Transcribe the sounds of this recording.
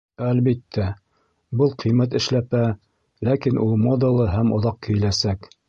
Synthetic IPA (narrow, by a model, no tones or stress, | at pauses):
ælβit̪ʰːæ | bɤlˠqʰĭjmæt̪ɘ̆ʃlæpæ | lækinʔulˠmod̪ɤ̆lˠɤɦæmŏ̰ðɑq̚kɘ̆jɘ̆læsæk